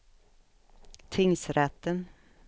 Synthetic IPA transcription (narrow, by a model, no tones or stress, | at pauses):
t̪ʰɪŋsɾɛt̪ːən